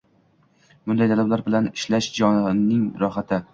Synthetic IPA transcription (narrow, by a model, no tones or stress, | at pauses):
b̥ʊnd̪ajt̪ʰalablaɾbɪlanɪʃlaʃd͡ʒɒnɪŋɾɒχat̪ʰɪ